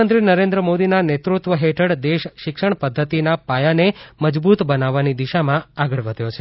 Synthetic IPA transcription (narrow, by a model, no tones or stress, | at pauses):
ənt̪ɾinəɾẽnd̪ɾəmod̪inanet̪ɾut̪ʋəɦeʈʰəɽd̪eʃʃɪkʃəɳ̃pəd̪ʱːət̪inapajaneməd͡ʒbut̪bənaʋːanid̪iʃamãaɡəɭʋəd̪ʱjot͡ʃʰe